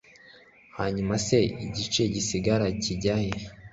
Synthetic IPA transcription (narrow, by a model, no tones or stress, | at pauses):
haɲumase̞iɟit͡ʃe̞ɟisiɡaɾaciɟaje